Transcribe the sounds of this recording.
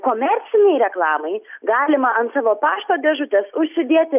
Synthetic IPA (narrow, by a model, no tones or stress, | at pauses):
koːmʲɛɾʲt̪sʲɪnʲɛɪɾʲɛklˠɑːmɐɪɡɑːlʲɪmɐɐnt̪sɑːʋoːpɑːʃt̪oːd̪ʲɛʒʊt̪ʲɛsʊʃʲsʲɪd̪ʲiɛt̪ʲɪ